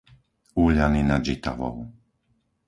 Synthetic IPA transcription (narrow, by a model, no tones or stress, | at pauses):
uːʎaninad͡ʒit̪a̰ʋɔ̰ʊ